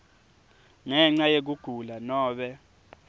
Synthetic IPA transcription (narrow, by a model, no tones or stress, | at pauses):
ŋɛŋ͡ǀajek̬uɡ̥ʱulanɔːɓɛ